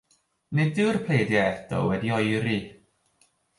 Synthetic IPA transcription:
nedɪwrpʰl̥eːdjaɛdɔ̰wɛdiɔjɾi

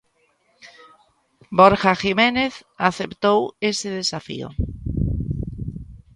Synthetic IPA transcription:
bɔɾxaximeneθaθept̪owesɪð̞esafḭo̰

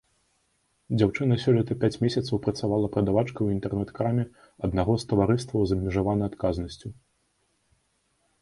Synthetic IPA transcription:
d͡zʲawt͡ʂɨnɐsʲɔlʲɐt̪ɐpʲat͡sʲmʲesʲɐt̪sɐwpɾɐt̪savalˠɐpɾɐd̪avat͡ʂkɐwint̪ɛrnɛt̪kɾamʲɛ | ɐd̪naɣɔst̪ɐvaɾɨst̪vɐwzɐbmʲiʐavanɐjat̪kaznɐsʲt͡sʲu

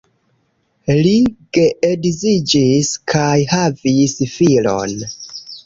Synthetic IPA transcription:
liɡ̥e̞ʔedzid͡ʒiskʰajhavisfilo̞̰n

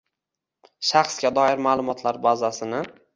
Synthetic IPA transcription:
ʃaχsɡʲad̪ɒɪɾmalˠʊmɒt̪ʰlaɾbazasɪnɪ

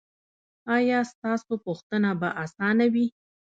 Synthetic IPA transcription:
ɑjɑst̪ɑsopuxt̪ənabaʔasɑnawi

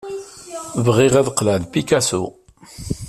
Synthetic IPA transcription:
vʁiʁæðqlælpikasṵ

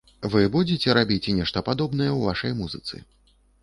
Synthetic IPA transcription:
vɨbud͡zʲet͡sʲɛɾabʲit͡sʲnʲɛʂt̪ɐpad̪ɔbnɐjɛwva̰ʂɐjmuzɨt̪sɨ̰

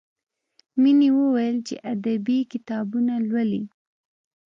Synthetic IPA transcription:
miniwəwajəlt͡ʃḛʔad̪abikɪt̪ɑbunalwəli

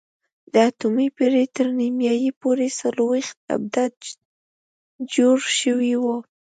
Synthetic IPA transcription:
d̪əat̪umipeɾet̪əɾnimjɑjipoɾesəlowext̪̚a̰b̚d̪ad̪ | d͡ʒoɽʃəwiwu

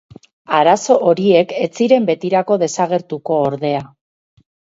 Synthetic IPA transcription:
aɾaso̞ʔoɾie̞ke̞t͡siɾe̞mbe̞t̪iɾako̞ðe̞saɣe̞ɾt̪uko̞ːɾðe̞a

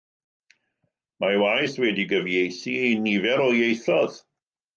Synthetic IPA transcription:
mawajθwɛdiɡəvjejθinivɛɾɔjejθɔð̥

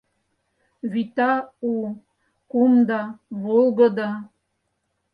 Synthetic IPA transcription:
βit̪ɑu | kumd̪ɑβolˠɡɤ̆d̪ɑ

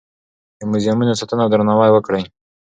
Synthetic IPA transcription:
d̪əmʊzjamunosat̪ənawd̪ɾanawajwəkɽəj

